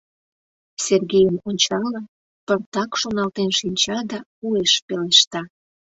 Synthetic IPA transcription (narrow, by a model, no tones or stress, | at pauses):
serɣejəmonʲt͡ɕɑlə | pərt̪ɑkʃonɑlt̪enʃinʲt͡ɕɑd̪ɑueʃpeleʃt̪ɑ